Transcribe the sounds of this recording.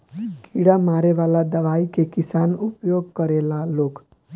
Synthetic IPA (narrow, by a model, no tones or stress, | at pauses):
kiɽamaɾeʋalad̪əʋaikekisanupjoɡ̚kəɾelaloːk